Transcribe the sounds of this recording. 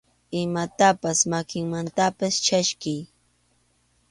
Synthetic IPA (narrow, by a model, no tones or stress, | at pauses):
ɪmat̪apasmakɪŋmant̪apast͡ʃaʃkɪj